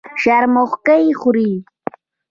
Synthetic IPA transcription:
ʃaɾmoχkajχʊɾiː

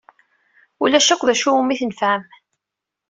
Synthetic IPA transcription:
ulæʃækʷːðæʃuumːiθnəfhəm

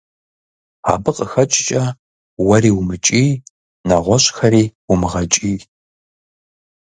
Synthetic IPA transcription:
a̰ːbɨqʼəxɐt͡ʃʼɪt͡ʃʼɐ | wɐriːwmɨt͡ʃʼiː | nɐʁʷɔɕʼxɐɾiːwʊmɨʁɐt͡ʃʼiː

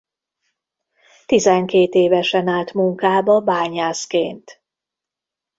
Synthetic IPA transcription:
t̪izɛŋkeːt̪eːvɛʃɛnaːlt̪muŋkaːbɒbaːɲaːskeːnt̪

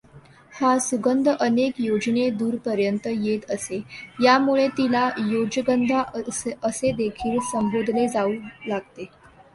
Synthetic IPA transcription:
hasuɡənd̪ʱəʔənekjod͡ʑned̪uːɾpəɾjənt̪əjet̪əsejamuɭet̪ilajod͡ʑəɡənd̪ʱaəsed̪ekʰiːlsəmbod̪ʱled͡zauːlaɡ̚t̪e

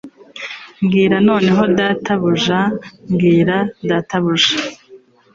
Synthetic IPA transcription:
ŋɡiːɾano̞ːne̞ɦo̞dataβuʒaŋɡiːɾadataβuʒa

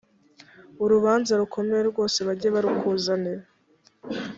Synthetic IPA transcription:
uɾuβaːnzaɾukʰo̞me̞jeɾɡo̞ːse̞βaɟeβaɾukʰuzaneβ

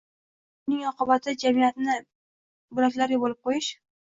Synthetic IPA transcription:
ʊnɪŋɒqɨbat̪ʰɪd͡ʒamijat̪nɪ | bʊlakʲlaɾɡʲabolɪp̚qʰojɪʃ

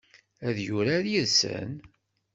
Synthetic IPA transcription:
æðjuɾaðjiðsə̰n

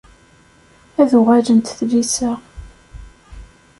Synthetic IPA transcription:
æðuʁæd͡ʒənt̪θlisa

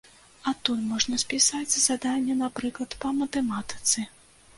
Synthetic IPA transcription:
ɐt̪ujmɔʐnɐspʲisad͡zʲzad̪anʲːɛnapɾɨklˠɐt̪pɐmɐt̪ɛmat̪ɨ̥t̪sɨ

